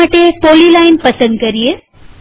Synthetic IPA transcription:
ɐʈepoːlilajnpɐsə̃nd̪̚kɐɾije

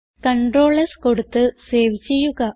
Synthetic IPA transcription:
kɐɳɖro̞ːɭɐsko̞ɽut̪ːɨse̞ːʋit͡ɕːejuɣɐ

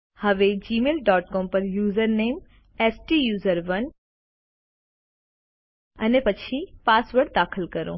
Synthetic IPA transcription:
hɐʋed͡ʑiːmeːlɖɔːʈkɔːmpɐɾjuːzəɾneːm | eːsʈijuːzəɾʋɐn | ɐnepɐt͡ɕʰipaːsʋəɾɖd̪aːkʰəlkɐɾõ̰ː

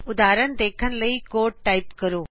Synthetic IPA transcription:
ʊd̪aːɾənɪ̆d̪eːkʰənɪ̆lɐikoːʈ̚ʈaːɪpkɐɾoː

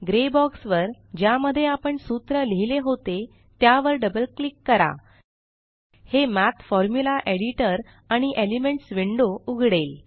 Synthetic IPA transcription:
ɡɾebɔksʋəɾd͡ʑjaməd̪ʱːjeapəɳsut̪ɾəleɦileɦot̪e | t̪jaʋəɾɖəbəlklikːəɾa̰ | hemæt̪fɔɾmjulaʔeɽiʈəɾ | aɽ̃iʔelimeɳʈsʋiɳɖouɡʱɽel

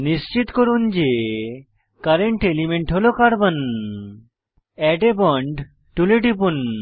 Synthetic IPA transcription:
nist͡ɕit̪koɾund͡ʑe | kaɾeɳʈelimeɳʈɦolokaɾbon | ɛɖebɔɳɖ | ʈuleʈipun

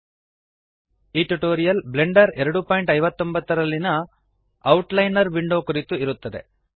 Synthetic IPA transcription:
iːʈuʈoːɾijɐlble̞ɳɖɐɾɛɾɐɽupɐːjiɳʈɐjʋɐt̪ːombɐt̪ːɐɾɐlːinɐ | ɐwʈlɐjnɐɾʋiɳɖo̞ːkuɾit̪uiɾut̪ːɐd̪e̞̰

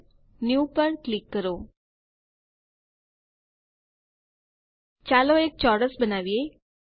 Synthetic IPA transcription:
njuːpəɾklikːəɾo | t͡ɕaloeːk̚t͡ɕɔɽəsbənaʋie

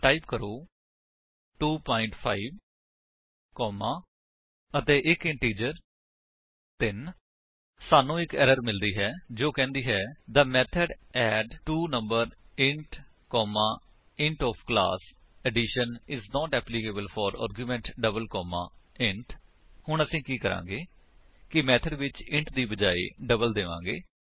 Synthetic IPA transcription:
ʈaːɪpkəɾoː | ʈuːpɔ̃ːɪɳʈpʰaːiʋ | kɔːmaː | ət̪eːʔɪkɪ̃ɳʈiːd͡ʒəɾ | t̪ɪn | saːnũːɪkɛ̰ːɾəɾmɪld̪iːɦɛːd͡ʒoːkɛ̃ːnd̪iːɦɛːd̪əmɛːt̪ʰəɖɛːɖʈuːnəmbəɾɪ̃ɳʈ | kɔːmaː | ɪ̃ɳʈɔːpʰkla̰ːs | ɛɖiːʃənɪznɔːʈɛːplikeːbəlfʰɔːɾa̰ːɾɡjuːmɛ̃ːɳʈɖəbəlkɔːma̰ːɪɳʈ | hʊɳəsĩːkiːkəɾã̰ːɡeː | kɪmɛːt̪ʰəɖʋɪt͡ʃɪ̃ɳʈd̪iːbəd͡ʒaːḭːɖəbəld̪eːʋã̰ːɡḛː

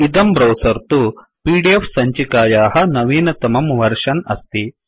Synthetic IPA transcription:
id̪ɐmbɾɐwsɐɾt̪u | piːɖijefʰsɐɲt͡ʃikaːjaːɦɐnɐʋiːnɐt̪ɐmɐmʋɐɾʂɐnɐst̪i

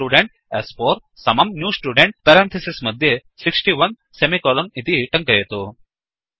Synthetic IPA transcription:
uːɖeɳʈ̚ | ḛspoːɾ | sɐmɐmnjuːsʈuːɖeɳʈ̚pɐɾent̪ʰɐsismɐd̪ʱjesiksʈiːʋɐn | semikɔːlɐnit̪iʈɐ̃ŋkɐjet̪oː

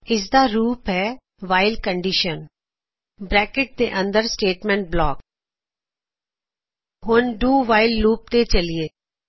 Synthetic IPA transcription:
ɪs̬d̪aːɾuːpɦɛː | ʋaːɪlkəɳɖiːʃən | bɾɛːkɪʈ̚d̪ḛːʔə̃nd̪əɾsʈeːʈmɛ̃ɳʈ̚blɔ̰ːk | ɦʊnɖuːʋaːɪlːuːp̚t̪eːt͡ʃəlɪeː

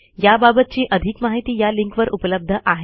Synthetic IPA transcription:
jababət̪̚t͡ɕiːʔəd̪ʱiːkmaɦit̪iːjaliŋkʋəɾʔupələb̚d̪ʱəʔaɦe

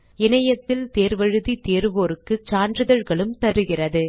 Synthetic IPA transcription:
ɪnɐjɐt̪ːɪlt̪eːɾʋɐɻɯðit̪eːɾɯʋoːɾɯkːɯt͡ʃːaːndrɯðɐɻɣɐɭɯmt̪ɐɾɯɣɪrɐðɯ

